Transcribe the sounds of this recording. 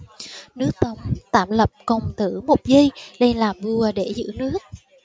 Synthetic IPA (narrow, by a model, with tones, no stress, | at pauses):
nɨ˦˥ək̚t̪ə˨˦wŋ͡mt̪aː˧˩mlə˨˩p̚kə˨˩wŋ͡mt̪ɨ˧˩mo˨˩t̚zi˧jɗə˧jlaː˨˩vu˧əɗe˧˩zɨ̰˧˥nɨ˦˥ək̚